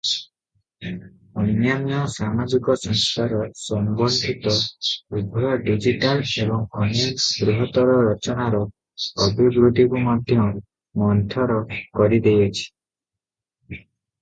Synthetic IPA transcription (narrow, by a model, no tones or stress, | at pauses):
ɔjnjamijɔsamad͡ʒikɔsɔŋst̪ʰaɾɔsɔmbɔnd̪ʱit̪ɔubʱɔjɔɖid͡ʒiʈalebɔŋkɔnaɡɾuɦɔt̪ɔɾɔɾɔt͡ʃɔnaɾɔː | bʱibɾud̪ʱikumɔd̪ʱjɔ | mɔnt̪ʰɔɾɔkɔɾid̪ejɔt͡ʃʰi̥